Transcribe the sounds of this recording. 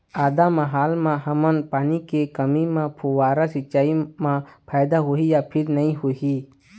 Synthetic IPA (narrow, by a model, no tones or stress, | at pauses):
aːd̪amaɦaːlmãɦɐmənpaːnikekəmimãpʰuwaːɾasɪt͡ʃːaːimãpʰaːjd̪aɦoijapʰɪɾnɐĩɦuiː